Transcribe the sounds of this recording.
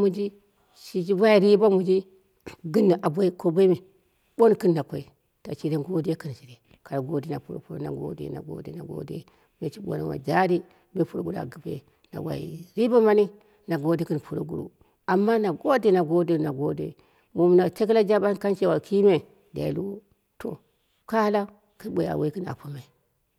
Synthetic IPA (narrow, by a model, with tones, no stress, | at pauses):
mu˦d͡ʒi˦ | ʃi˨d͡ʒi˦ba˦ja˨ɾi˦ba˦mu˨d͡ʒi˦ | ɡɨ˦nːi˨ʔa˨bo˦ko˦bʷe˦mi˨ | bo˦ni˨ki˦nːa˨kʷo˨i˨ | ta˨t͡ʃi˦da˦ɡo˦di˦ja˦ki˦˨n˨si˨ɾe˨ | ka˨ɾa˨ɡo˦di˦na˨pu˨o̰˨pu˦ɾo̰˨na̰˨ɡo̰˦dḛ˨na̰˨ɡo̰˦dḛ˨na̰˨ɡo̰˦dḛ˦ | be˨t͡ʃi˦bo̰˨na̰˦wa̰˨d͡ʒa˦ɾi˦ | be˦pu˦ɾo˨ɡu˦ɾa̰˨ɡi˨bḛ˨ | na̰˨wʷa̰˨ḭ˨ɾi˦ba˦ma˦ni˦ | na˨ɡo˦de˦kɨ˦npu˨ɾo̰˨ɡṵ˦˨ɾṵ˦ | a˨mːa˦na˨ɡo˦de˦na˨ɡo˦de˦˨na˨ɡo˦dḛ˦ | mo˨m˨na˨t͡ʃe˦k̬i˦la˦d͡ʒa˦ba˦n˦ka˦nt͡ʃe˦wa˨ki˦me˨ | da̰˨ḭ˨lu˦ | to̰˨ | ka˦la˦ | kɨ˦ɓʷe˨a̰˨we˦ki˦na̰˨ko˦ma˨i˨